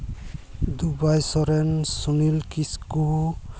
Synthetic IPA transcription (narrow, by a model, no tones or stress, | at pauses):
d̪ubajsɔɾɛnsunilkisku